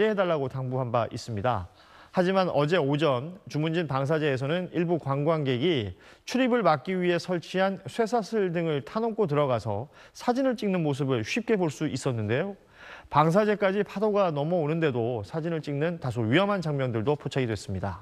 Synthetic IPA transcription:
e̞ɦe̞daɭːaɡotaŋbuɦambaʔis͈ɯmɲida̰ | had͡ʑimanʔʌd͡ʑe̞od͡ʑʌnt͡ɕumund͡ʑinpaŋs̬ʰad͡ʑe̞ːs̬ʰʌnɯniɭbukwaŋɡwaŋɡe̞ɡi | t͡ɕʰuɾibɯɭmak̚k͈iɥiɦe̞sʰʌɭt͡ɕʰiɦansʰwe̞sʰasʰɯɭdɯŋɯɭtʰanok͈ʰot̬ɯɾʌɣasʰʌ̰ | sʰad͡ʑinɯɭt͡ɕ͈iŋnɯnmos̬ʰɯbɯɭɕɥip̚k͈e̞boɭs͈uʔis͈ʌnːɯnde̞jo | paŋs̬ʰad͡ʑe̞k͈ad͡ʑipʰadoɡanʌmʌonɯnde̞dosʰad͡ʑinɯɭt͡ɕ͈iŋnɯntas̬ʰoɥijʌmɦant͡ɕaŋmjʌndɯɭdopʰot͡ɕʰaɡidwe̞s͈ɯmɲida̰

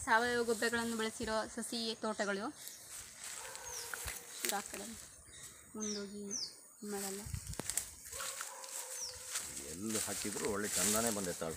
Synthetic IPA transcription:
saːʋɐjoːɡobɾɐɡɐɭɐnːubɐɭɐsiɾoːsɐsit̪oːʈːɐɣɐɭjoː | iɾaːkːɐɽenː | muɳɖoːɡi | unːɐðɐlːɐ | ḭɛ̰lːuhaːkid̪ɐɾuoɭːet͡ʃɐnd̪aːneːbɐnd̪it̪ːa̰ːʋe

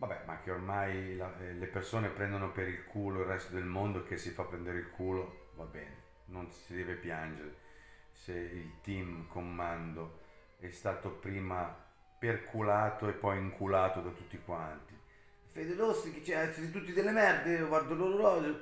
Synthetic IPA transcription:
vabːɛ̰mak̟ːeormajlalepersoːnepɾɛnd̪onopeɾilkʰuːloilrːɛst̪od̪elmond̪oek̟ːesːifapːɾɛnd̪eɾeilkʰuːlo | vabːɛ̰ːne | nonsid̪ɛːvepjand͡ʒeɾe | seilt̪imkʰomːand̪o | ɛst̪aːt̪opɾiːma | perkʰulaːt̪oepːɔjiŋkʰulaːt̪od̪at̪ut̪ːikwant̪i | fed̪ed̪osiket͡ʃːɛaɛt̪ːat̪et̪̬ut̪ːid̪elːemɛrd̪eoɡward̪oloːɾoɾɔːze

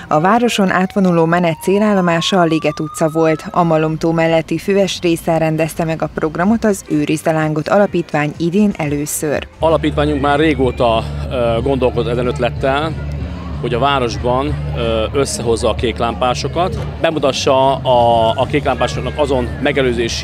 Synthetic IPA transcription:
ɒvaːɾo̞ʃo̞nʔaːt̪ʋo̞nuloːmɛnɛt̪seːlaːlːo̞maːʃɒːleːɡɛt̪ut̪sɒvo̞lt̪ɒmɒlomt̪oːmɛlːɛt̪ːiføɛʃreːsɛɾɛnd̪ɛst̪ɛmɛɡɒpro̞ɡrɒmo̞t̪ɒzøːɾizd̪ɛlaːŋɡo̞t̪ɒlɒpiːt̪ʋaːɲid̪eːnʔɛløːsø̰rɒlɒpiːt̪ʋaːɲuŋkmaːrːeːɡoːt̪ɒɡond̪o̞lkozot̪ːɛzɛnøt̪lɛt̪ːɛl | ho̞ɟɒvaːɾo̞ʒbɒnø̞sːɛɦo̞zːɒːkeːklaːmpaːʃo̞kɒt̪ | bɛmut̪ɒʃːɒː | keːklaːmpaːʃoknɒkɒzo̞nmɛɡɛløːzeːʃ

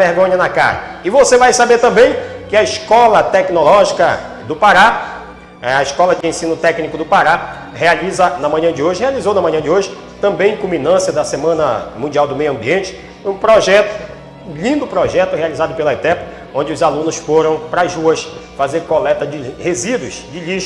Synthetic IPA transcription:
veɾɡõɲɐnɐka̰ɾɐ̰ɪvosevajsabeɾt̪ɐ̃mbẽj̃kɪɐiʃkɔlɐt̪ɛknolɔʒikɐ | d̪ʊpaɾa | ɐiskɔlɐd͡ʒɪẽsĩnʊt̪ɛknikʊd̪ʊpaɾa | healizɐnɐmɐ̃ɲɐ̃d͡ʒɪoʒɪhealizownɐmɐ̃ɲɐ̃d͡ʒɪoʒɪ | t̪ɐ̃mbẽj̃kũmĩnɐ̃siɐd̪ɐsemɐ̃nɐmũnd͡ʒiawd̪ʊmejʊɐ̃mbiẽt͡ʃɪ̥ | ũpɾɔʒɛt̪ʊ̥ | ũʎĩnd̪ʊpɾɔʒɛt̪ʊhealizad̪ʊpelɐɛt̪ɛp | õd͡ʒɪʊzalũnʊsfoɾɐ̃w̃pɾazuɐsfazeɾkolɛt̪ɐd͡ʒɪhezid̪ʊsd͡ʒɪʎiʃ

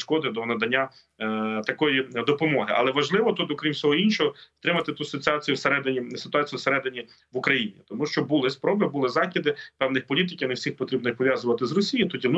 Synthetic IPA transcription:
ʃkɔd̪ɪd̪ɔnɐd̪ɐnʲːa | t̪ɐkɔjid̪ɔpɔmɔɦɪʔɐ̰lˠɛʋɐʒlˠɪʋɔt̪ut̪ɔkɾʲimsʲɔɦɔinʃɔɦɔst̪ɾɪmɐt̪ɪt̪usɔt̪ʲɑt͡sʲijuwseɾɛd̪ɪnʲisɪ̥t̪ʊɑt͡sʲijuseɾɛd̪ɪnʲi | ʋʊkɾɐjinʲḭt̪ɔmuʃt͡ʃɔbʊlˠɪspɾɔbɪbulˠɪzɑxʲid̪ɪpɛwnɪxpɔlʲit̪̬ɪkʲɪnɛwsʲixpɔt̪ɾib̚nixpɔʋʲjazʊʋɐt̪ɪzrɔsʲijit̪ɔdʲin

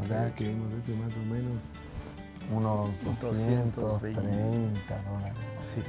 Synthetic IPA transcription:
okakeemosesomas̬omẽnos | unosd̪osjent̪ost̪ɾejnt̪aðolaɾesi

